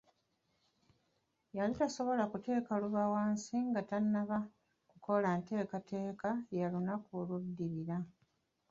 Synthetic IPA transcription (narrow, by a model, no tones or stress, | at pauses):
jalitaso̞βo̞lakute̞ːkaluβawaːnsiŋɡatanːaβa | kuko̞lante̞ːkatʰe̞ːkajalunakuludːiɾiɾa